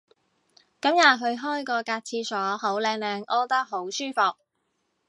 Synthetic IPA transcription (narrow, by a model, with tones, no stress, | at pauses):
kɐ˨˥mjaː˨˩ɦɵ˧ɥɦɔː˥jkɔː˧kaː˧t̚t͡sʰiː˧sɔː˨˥ho˨˥wlɛː˧ŋlɛː˨˧ŋʔɔː˥t̪ɐ˥k̚ɦo˨˥wsyː˥fʊ˨˩k̚